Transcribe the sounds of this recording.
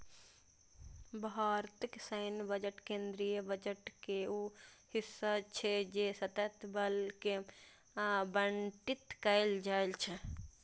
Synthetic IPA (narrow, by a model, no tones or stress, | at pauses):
bɦaɾt̪iksəɪnbəd͡ʒəʈkẽnd̪ɾijəbəd͡ʒəʈkeuhisːat͡ʃʰɛd͡ʒesət̪ət̪ʰbəlke | bəɳʈit̪kəɪld͡ʒaelt͡ʃʰɛ